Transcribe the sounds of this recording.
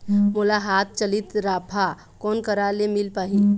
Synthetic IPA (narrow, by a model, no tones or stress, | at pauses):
mʊlaɦaːt̪̚ʰt͡ʃəlɪt̪ɾaːpʰa | kɔːnkəɾalemɪlpaːɦi